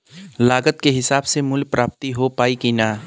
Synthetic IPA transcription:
laːɡət̪keɦɪsaːbsemʊlɡ̚pɾaːp̚t̪iɦopaːikina

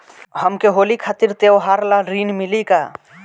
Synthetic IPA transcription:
ɦəmkeɦoːlikʰaːt̪iɾt̪ewɦaɾlaɾiːnmɪlika

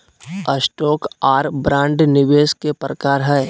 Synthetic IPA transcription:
əsʈɔːkaːɾbɾãːɳɖnɪʋeːskepɾəkaːɾɦɛː

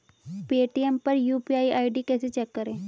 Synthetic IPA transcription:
peːʈiɛmpɐɾjuːpiaːiʔaːiɖikɛːset͡ʃɛkːəɾẽː

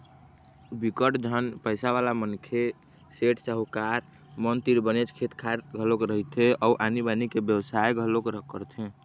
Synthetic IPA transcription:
bikəʈd͡ʒʱənpəɪsaβalamənkʰe | seʈsəɦukaɾ | mənt̪iɾbənet͡ʃkʰet̪kʰaɾɡʱəlokɾəɦit̪ʰeʔɔuʔanibanikebjəwsaeɡʱəlokɾəkːəɾt̪ʰẽ

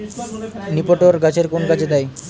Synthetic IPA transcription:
nipoʈoɾɡat͡ɕʰeɾkonɡat͡ɕʰed̪aj

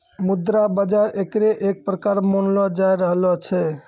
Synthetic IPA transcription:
mud̪ɾabəd͡ʒaɾʔekɾeʔek̚pɾəkaɾmənlɔd͡ʒajɾəɦlɔt͡ʃʰɛ

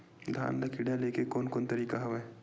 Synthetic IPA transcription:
d̪ʱa̰ːnlɐkʰiɽaleːkekoːnkoːnt̪ɐɾiːkaɦɐʋɛ

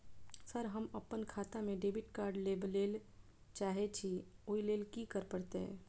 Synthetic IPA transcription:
səɾɦəməpːənkʰaːt̪amẽɖeːbɪʈkaːɾɖleːbleːl | t͡ʃaːɦet͡ʃʰioːileːlkikəɾpəɽt̪eɦɛ̰̃ː

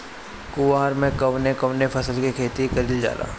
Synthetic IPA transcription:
kʊʋaːɾmẽkɐʋnekɐʋnepʰɐsəlkikʰeːt̪ikɐɾiːld͡ʒa̰ːla̰ː

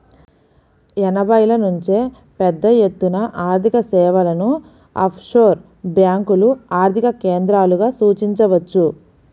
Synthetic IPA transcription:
ɛnɐbɐjlɐnuɲt͡ʃeː | pɛd̪ːɐjet̪ːunɐʔaːɾt̪ʰikɐsɛːʋɐlɐnu | a̰ːpʰʂoːɾ | bjaːŋkuluaːɾt̪ʰikɐkeːnd̪ɾaːluɡaːsuːt͡ʃiɲt͡ʃɐʋɐt͡ʃːu

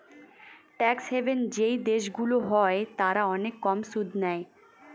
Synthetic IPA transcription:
ʈɛkshebend͡ʑejd̪eʃɡuloɦɔet̪aɾaɔnekːɔmsud̪ʱnɛe

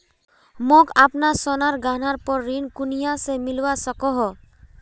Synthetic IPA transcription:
mokapnasɔnaɾɡanaɾpɔɾːinkunijasemilwasɔkɔɦɔ

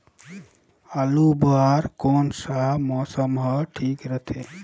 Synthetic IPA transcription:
alubaːɾkoːnsamɔːsəmɦəʈʰiːkɾət̪ʰeː

